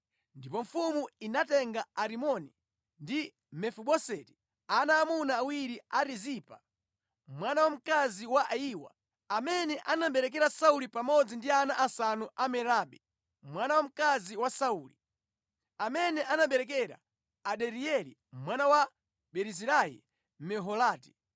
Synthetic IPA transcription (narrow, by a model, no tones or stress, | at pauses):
ndipɔɱ̩fumuinatɛŋɡaaɾimɔni | ndi | mɛfuɓɔsɛti̥ | anaːmunaːwiɾiaɾizipa | mwanawam̩kaziwaʔaiːwa̰ | amɛnɛʔanam̩ɓɛɾɛk̬ɛɾasaulipamɔd͡zindianaʔasanuʔamɛɾaɓɛ | mwanawam̩kaziwasauːli | amɛnɛʔanaɓɛɾɛk̬ɛɾa̰ː | ɗɛɾiɛlḭ | mwanawa | ɓɛɾiziɾajɛ̰ | mɛɦɔlaːti̥